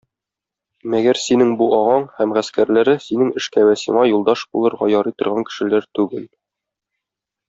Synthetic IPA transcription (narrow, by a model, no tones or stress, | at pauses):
mæɡæɾsinɘŋbuʔɒʁɑɴhæmʁæskæɾlæɾɘsinɘŋɘ̆ʃkæwæsḭɴɑjulˠd̪ɑʃbṵlˠɤ̆ɾʁɑjɒɾit̪ɤ̆ɾʁɑŋkɘ̥̆ʃɘ̆læɾt̪ʉɡɘl